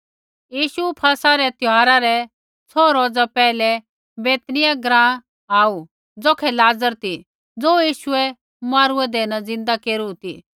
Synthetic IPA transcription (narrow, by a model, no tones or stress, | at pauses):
jiːʃupʰɐsaɾɛt̪jɔɦaːɾaɾɛ | t͡sʰɔːɾoːd͡zapɛːlɛ | beːt̪nɪjaɡɾãː | aːu | d͡zoːkʰɛlaːd͡zəɾt̪i | d͡zoːjiːʃʊɛ | maːɾuɛd̪ɛnad͡zɪ̃nd̪akeːɾut̪ḭ